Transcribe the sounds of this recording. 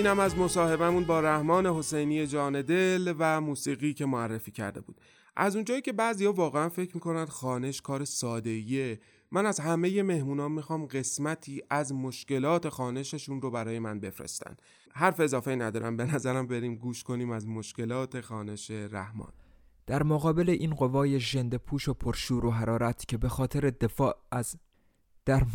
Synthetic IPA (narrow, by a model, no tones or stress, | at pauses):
iːnæmæzmo̞sɒːhe̞bæmunbɒːɾæhmɒːne̞ɦo̞se̞jniːje̞d͡ʒɒːne̞d̪elvæmuːsiːɣiːcʰe̞moærːefiːcʰæ̰ɾd̪e̞̰bṵːd̪̥̚ | ʔæ̰zund͡ʒɒːjiːcʰebæʔzijhɒːvɒːɣeænfe̞cʰːmiːko̞nænd̪xɒːne̞ʃkʰɒːɾesɒːd̪e̞ije̞ | mænæzhæme̞je̞me̞hmuːnɒːmːixɒːmɢe̞smæt̪ʰiːʔæzmo̞ʃkce̞lɒːt̪ʰe̞xɒːne̞ʃeʃunrobæɾɒːje̞mænbe̞fɾḛst̪æ̰nd̪̥ | ɦæɾfe̞zɒːfeiːnæd̪ɒːɾæ̰nbe̞næzæɾæmbe̞ɾiːmɡuːʃkʰo̞niːmæzmo̞ʃce̞lɒːt̪ʰe̞xɒːne̞ʃe̞ɾæ̰hmɒ̰ːn | d̪̥æɾmoɣɒːbe̞le̞ʔiːnɢo̞vɒːje̞ʒend̪epʰuːʃopʰoɾʃuːɾoɦæɾɒːɾæt̪ʰcʰe̞be̞xɒːt̪ʰeɾed̪efɒːʔæz | d̪̥æɾ